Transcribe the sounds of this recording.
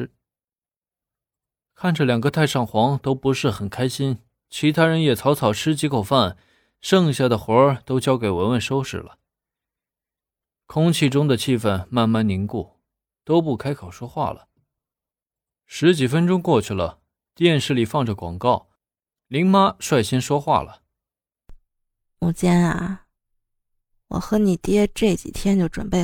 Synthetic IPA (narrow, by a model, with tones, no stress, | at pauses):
kʰa˥˩nʈ͡ʂə˩ljɑ˨˩ŋɡə˦t̪ʰa˥˧ɪʂɑ˥˩ŋxwɑ˧˥ŋt̪o˥ʊpu˧˥ʂɻ̩˥˩xə˨˩nkʰa˥ɪɕi˥n | t͡ɕʰi˧˥t̪ʰa˥ɻə˧˥njɛ˨˩t͡sʰɑ˧˥ʊt͡sʰɑ˨˩ʊʈ͡ʂʰɻ̩˥t͡ɕi˧˥kʰo˨˩ʊfa˥˩n | ʂɤ˥˧ŋɕ̬ja˥˩d̪ə˩xwɔ˧˥ə˞˥˩t̪o˥ʊt͡ɕjɑ˥ʊke˨˩ɪwə˧˥nwə˥˩nʂo˥ʊʂɻ̩̰˥˩lə̰˩ | kʰʊ˥ŋt͡ɕʰi˥˩ʈ͡ʂʊ˥ŋd̪ə˨t͡ɕʰi˥˧fə˥˧nma˥˧nma˥˩nni˧˥ŋku˥˩ | t̪o˥ʊp̬u˥˩kʰa˥ɪkʰo˨˩ʊʂwɔ˥xwa̰˥˩lə̰˩ | ʂɻ̩˧˥t͡ɕi˨˩fə˥nʈ͡ʂʊ˥ŋkwɔ˥˧t͡ɕʰy˥˩lə˩ | t̪jɛ˥˧nʂɻ̩˥˩li˨˩fɑ˥˩ŋʈ͡ʂə˩kwɑ̰˨˩ŋkɑ˥˩ʊ | li˧˥ŋma˥ʂwa˥˩ɪɕjɛ˥nʂwɔ˥xwa̰˥˩lə˩ | u˨˩t͡ɕjɛ˥na̰˨˩ | wɔ̰˨˩xɤ˧˥ni˨˩t̪jɛ˥ʈ͡ʂɤ˥˩t͡ɕḭ˨˩t̪ʰjɛ˥nt͡ɕjo˥˩ʊʈ͡ʂwə̰˨˩npe˥˩ɪ